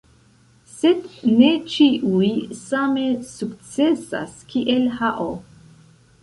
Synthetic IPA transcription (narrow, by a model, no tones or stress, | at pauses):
se̞dne̞t͡ʃiʔujsame̞sukt͡sesa̰skʰiʔelhaʔo